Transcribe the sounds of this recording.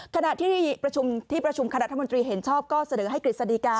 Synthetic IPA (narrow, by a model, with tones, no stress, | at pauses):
kʰa˧na˨˩ʔt̪ʰiː˥pɾa˧t͡ɕʰu˧mt̪ʰiː˥˩pɾa˧t͡ɕʰu˧mka˧na˨˦ʔt̪ʰmo˧nt̪̬ɾiː˧ɦe˩˦nt͡ɕʰɔː˥˩p̚kɔː˥˩sa˧nɤː˩˦ɦa˥˩jkɾi˨˩sa˧diː˧˩kaː˧